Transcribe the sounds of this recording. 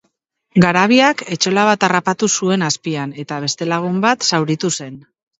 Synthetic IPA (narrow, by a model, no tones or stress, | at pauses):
ɡaɾaβ̞iake̞t͡ʃo̞laβ̞at̪arapat̪usue̞naspiane̞t̪aβ̞e̞st̪e̞laɣ̞umbat̪sawɾit̪use̞n